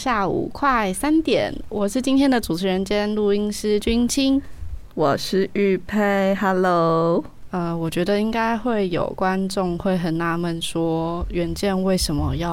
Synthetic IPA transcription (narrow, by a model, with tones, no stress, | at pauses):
ɕja˥˩ṵ˨˩kʰwa˥˩ɪsa˥nt̪jɛ̰˨˩˦nwɔ˨˩ʂɻ̩˥˩t͡ɕi˥nt̪ʰjɛ˥nd̪ə˨ʈ͡ʂu˨˩ʈ͡ʂʰɻ̩˧˥ɻə˧˥nt͡ɕjɛ˥nlu˥˩i˥ŋʂɻ̩˥t͡ɕy˥ŋt͡ɕʰi˥ŋwɔ˨˩ʂɻ̩˥˧y˥˧pʰe˥˩ɪha˧˥lo˦˥ | ə˧wɔ˨˩t͡ɕɥɛ˧˥d̪ə˧i˥ŋka˥ɪxwe˥˩ɪjo˨˩ʊkwa˦nʈ͡ʂʊ˥˧ŋxwe˥˩ɪxə˨˩nna˧˥˦mə˨˩nʂwɔ˥ɥɛ˧˥nt͡ɕjɛ˥˧nwe˥˩ɪʂə˧˥nmə˧jɑ˥˩